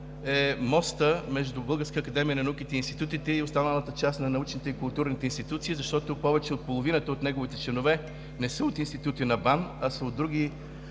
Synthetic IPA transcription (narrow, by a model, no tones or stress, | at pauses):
ɛmɔst̪əmɛʒd̪ʊbɤlˠɡəɾskəːkɐd̪ɛmijənɐnukit̪ɛinst̪i̥t̪ut̪it̪ɛioʊst̪anəlˠət̪ət͡ʃast̪nɐnɐut͡ʃnit̪ɛikʊlˠt̪uɾnit̪ɛinst̪it̪ut̪siːzɐʃt̪ɔt̪opɔvɛt͡ʃɛot̪̚polˠovinət̪əot̪nɛɡovit̪ɛt͡ʃlɛnovɛ | nɛsəot̪inst̪it̪ut̪inɐbanɐsəod̪ːɾuɡi